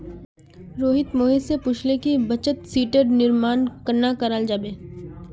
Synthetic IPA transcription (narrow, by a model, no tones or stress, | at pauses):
ɾoːɦɪt̪moːɦisepʊt͡ʃʰlekibɐt͡ʃət̪siːʈeɖnɪɾmaːnkəɾnakɐɾaːld͡ʒaːbeː